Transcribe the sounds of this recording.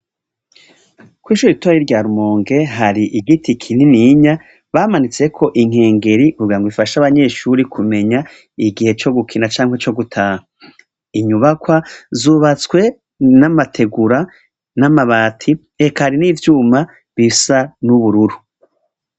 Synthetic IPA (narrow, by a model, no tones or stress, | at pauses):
kwiːʃuːɾitojiɾɟaːɾumoːŋɡe̞ɦaɾiʔiɡitikʰininiɲa | βaːmanit͡se̞kʰo̞ʔiŋ̥e̞ːŋɡe̞ɾikubɡiɾaŋɡwifaʃaβaɲe̞ːʃuɾikʰume̞ɲa | iɡihe̞t͡ʃo̞ɡukʰinat͡ʃaːŋhwe̞t͡ʃo̞ɡutʰaːha | iɲuβakwazuβat͡swe̞ | namatʰe̞ɡuɾa | namaβaːtʰi | ekaɾiniːvjuːma | βisanuβuɾuɾu